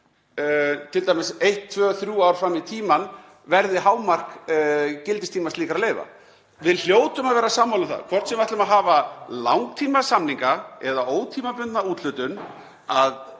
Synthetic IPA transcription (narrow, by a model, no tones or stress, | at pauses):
t̪ʰɪlt̪aːjmɪsejht̪ʰːvœːθɾjuːawɾ̥fɾamːɪt̪ʰiːman | vɛɾðɪɦaːwmar̥k | cɪlt̪ɪst̪ʰiːmast̪liːkaɾaleːjva̰ | vɪðl̥joːwt̪ʏmaðvɛːɾasaːmːawlʏmθa̰ðkʰvɔr̥t̪sɛmvaht̪lʏmaðɦaːvala̰wŋk̚t̪ʰiːmasamniŋkaɛðaʔoːwt̪ʰiːmapʏnt̪nauːt̪lʏt̪ʏn | að